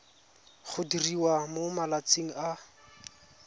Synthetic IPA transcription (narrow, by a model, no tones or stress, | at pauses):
χʰʊdiriwamomalat͡siŋ̩a